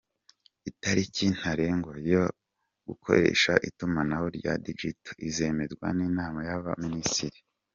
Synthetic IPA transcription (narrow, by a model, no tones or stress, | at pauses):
itaɾicin̥haɾeŋɡojo | ɡ̥ukʰo̞̰ɾe̞̰ːʃaʔitumanahoɾɟa̰did͡ʒito̥ʔize̞me̞zɡwa̰niːnaːmajaβa̰ministiɾi